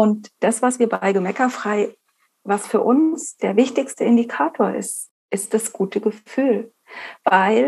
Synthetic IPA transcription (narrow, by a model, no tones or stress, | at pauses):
ʔʊntd̥asv̥asv̥iːɐbaɪɡəmɛkɐfʁ̥aɪ | vasfyːɐʔʊnsd̥eːɐvɪçtɪçstəɪndikʰaːtʰoːɐʔɪ̰st | ʔɪst̚d̥asɡ̥uːtʰəɡəfyːl | vaɪl